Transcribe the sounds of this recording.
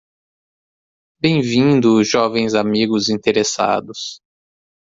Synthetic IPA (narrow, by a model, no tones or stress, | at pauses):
bẽj̃vĩd̪ʊʒɔvẽj̃zamiɡʊzĩt̪eɾesa̰d̪ʊs